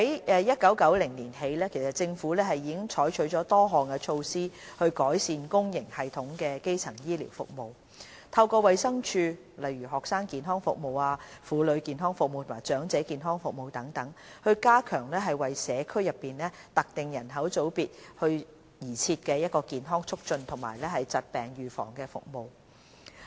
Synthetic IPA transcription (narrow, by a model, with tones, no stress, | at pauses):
he˨˦jɛː˧jɐ˥t̚kɐ˨˥wkɐ˨˥wlɪ˨˩ŋniː˨˩nɦe˨˧jlɛː˥kʰe˨˩jsɐ˨t̚t͡sɪ˧ŋfuː˨˥lɛː˥ɦɐ˨jiː˨ɪ˥ŋt͡ʃʰɔː˨˥jt͡ʃʰɵ˨˥ɥt͡ʃɔː˨˥t̪ɔː˥ɦɔː˨nkɛ˧t͡ʃʰo˧wsiː˥hɵ˧ɥkɔː˨˥jsiː˧nkʊ˥ŋjɪ˨˩ŋhɐ˨jt̪ʰʊ˨˥ŋkɛː˧ke˥jt͡sʰɐ˨˩ŋjiː˥lḭː˨˩wfʊ̰˨k̚mo˨w | t̪ʰɐ˧wkɔː˧wɐ˨jsɐ˥ŋt͡ʃʰyː˧ | lɐ˨jɥyː˨˩ɦɔː˨k̚saː˥ŋkiː˨nɦɔː˥ŋfʊ̰˨k̚mo˨waː˧fuː˨˧lɵ˨˧ɥkiː˨˧nɦɔː˥ŋfʊ˨k̚mo˨wt̪ʰmaː˨˩jt͡ʃœː˨˥ŋt͡sɛː˨˥kiː˨nɦɔː˥ŋfʊ˨k̚mo˨wt̪ɐ˨˥ŋt̪ɐ˨˥ŋhɵ˧ɥkaː˥kʰœː˨˩ŋlɛː˥ɦɐ˨jwɐ˨jsɛː˨˧kʰɵ˥ɥjɐ˨pːiː˨nlɛː˥t̪ɐ˨k̚t̪ɪ˨ŋjɐ˨˩nɦɐ˨˥wt͡so˨˥wpiː˨t̚hɵ˧ɥ | jiː˨˩t͡sʰiː˧t̚kɛː˧jɐ˥t̚kɔː˧kiː˨nɦɔː˥ŋt͡ʃʰʊ˥k̚t͡ʃɵ˧nt̪ʰʊ˨˩maː˨˩jlɛː˥hɐ˨jt͡sɐ˨t̚pɛː˨ŋjyː˨˩fɔ̰ː˨˩ŋkɛː˧fʊ̰˨k̚mo˨˧w